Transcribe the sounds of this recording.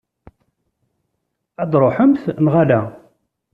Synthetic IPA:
æd̪ɾˤoħəmθnʁalæ

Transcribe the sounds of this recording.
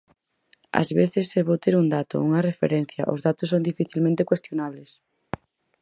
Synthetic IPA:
ɐ̰zβeθesːeβot̪eɾuŋd̪at̪ʊ̰uŋɐrefḛɾen̟θjɐ̰ʔo̰zðat̪ʊsːond̪ifiθilmẽnt̪ekwest̪jonaβles

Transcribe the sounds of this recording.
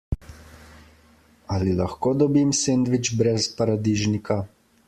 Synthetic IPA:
alilaxkoːd̪ɔbimsend̪ʋit͡ʃbɾɛspaɾad̪iʒnikʰa

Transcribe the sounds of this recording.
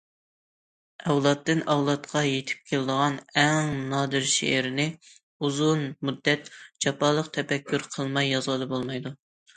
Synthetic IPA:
ɛwlˠɑt̪ːɪnɛwlˠɑt̪qʰɑjet̪ʰɪ̥p̚kʲʰelɪd̪əʁɑnɛŋnɑːd̪ɨɾʃḛʔɪɾɪnɪ | uzunmud̪ːɛt̪d͡ʒɑpɑːlˠəqt̪ʰɛpɛkʲʰːyɾqʰəlˠmɑjːɑzʁəd̪ɨbolˠmɑjd̪u

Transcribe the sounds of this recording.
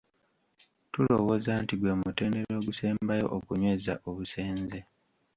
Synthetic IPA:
tulo̞wo̞zaːntiɡwe̞ːmute̞ːnde̞ɾo̞ːɡuseːmbajo̞̰ʔokuɲwe̞ːzaʔoβuse̞ːnze

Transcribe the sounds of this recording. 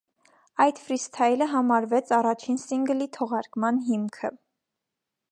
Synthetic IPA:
ɑjd̪fɾist̪ʰɑjləɦɑmɑɾvɛt͡sʰɑrɑt͡ʃʰinsiŋɡlit̪ʰɔʁɑɾkmɑnɦimkʰə

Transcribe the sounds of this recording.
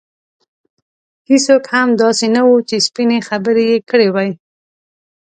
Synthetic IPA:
hisokhamd̪ɑsenawut͡ʃespinexabəɾejekəɽewaj

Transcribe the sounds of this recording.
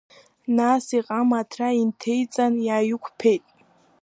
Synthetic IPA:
nasiqʼamatʰraintʰe̞jt͡sʼanjaːjʊkʷʰpʰe̞jtʼ

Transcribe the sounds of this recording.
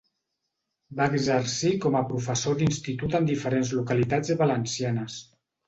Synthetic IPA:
baːɡzəɾsikɔməpɾufəsod̪inst̪it̪ut̪ənd̪ifəɾenzlukalit̪ad͡zəβalənsianəs

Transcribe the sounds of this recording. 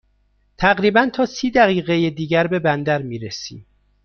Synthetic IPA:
t̪ʰæɣɾiːbænt̪ʰɒːsiːd̪æɣiːɣejed̪iːɟæɾbe̞bænd̪æɾmiːɾesḭːm

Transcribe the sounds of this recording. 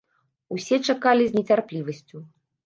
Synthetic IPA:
usʲɛt͡ʂakalʲizʲnʲɛt͡sʲarplʲivɐsʲt͡sʲu

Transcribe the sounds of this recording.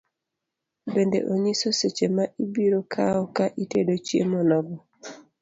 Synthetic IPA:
bendḛʔoɲisoset͡ʃemaʔibiɾokʰaɔkaʔitedot͡ʃjḛmɔnɔɡɔ

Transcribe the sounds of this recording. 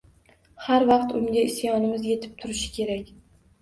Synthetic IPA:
haɾvɑqt̪ʊŋɡʲaɪsjɒnɪmɪzje̞t̪ʰɪ̥p̚t̪ʰʊɾɪʃɪ̥kʲʰe̞ɾakʲ

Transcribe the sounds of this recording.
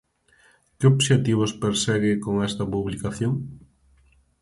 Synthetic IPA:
kɪoβʃet̪iβ̞ospeɾsɛɣɪkoŋɛst̪ɐpuβlikaθjoŋ

